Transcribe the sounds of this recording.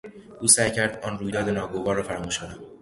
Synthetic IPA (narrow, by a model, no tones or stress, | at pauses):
ʔuːsæjcʰæɾd̪ɒːnruːjd̪ɒːd̪enɒːɡovɒːɾːɒːfæɾmuːʃkʰo̞næm